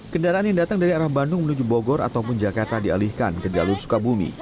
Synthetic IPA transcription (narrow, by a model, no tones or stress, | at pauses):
kəndaɾaanjaŋdat̪aŋdaɾiaɾahbandʊŋmənud͡ʒuboɡɔɾa̰t̪awp̬ʊnd͡ʒakart̪adia̰lihkankəd͡ʒa̰lʊrsu̥kabumḭ